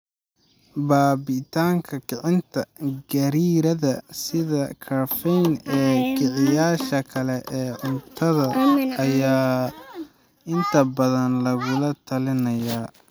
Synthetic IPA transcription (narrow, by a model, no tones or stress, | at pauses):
baːbɪt̪ʰaːŋkʰɐkʰɪʕɪnt̪ʰɐɡɐɾiːɾɐðɐsɪðɐkʰɐɾfɛjnɛːkʰɪʕɪjaːʃɐkʰɐlɛʔɛːʕʊnt̪ʰɐðɐɐjaː | ɪnt̪ʰɐbɐðɐnlɐɣʊlɐt̪ʰɐlɪnɐjaː